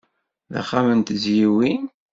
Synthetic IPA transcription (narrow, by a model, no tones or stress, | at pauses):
ða̰χːamənt̪əzjiwin